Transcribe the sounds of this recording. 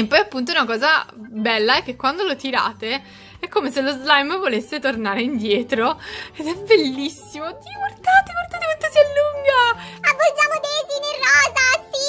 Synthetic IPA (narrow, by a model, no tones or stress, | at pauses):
mpɔjapːunt̪̬ounakɔːzabɛlːaɛkːekːwand̪olot̪iɾa̰ːt̪e | ɛkːomeselozlajmvolesːet̪ornaːɾeind̪jɛːt̪ɾoed̪ɛbelːisːimod̪iːoɡward̪aːt̪eɡward̪aːt̪ekwant̪osialːuŋɡaabːod͡ʒaːmod̪eːzinerːɔːzasi